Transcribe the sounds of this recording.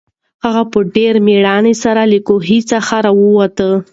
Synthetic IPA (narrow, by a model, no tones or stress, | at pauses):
haɣapəɖeɾmeɽɑnesaɾalikoɦit͡saxaɾawəwat̪ə